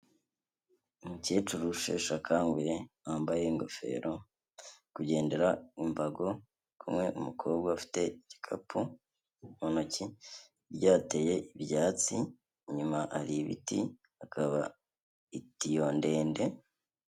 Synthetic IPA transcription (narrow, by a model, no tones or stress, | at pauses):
mucet͡ʃuɾuʃḛʃakʰaːŋɡuje | aːmbaje̞ŋɡo̞fe̞̰ɾo̞ | kuɟe̞ːnde̞ɾaimbaɡo̞ | kʰumŋe̞ʔumukʰo̞ːbɡaːfi̥te̞ɟ̥ikʰa̰pʰu | monoci | ɾɟaːteje̞ibjaːt͡si | ɲumaʔaɾiβḭtḭ | akʰaβa | itijoːnde̞ːnde̞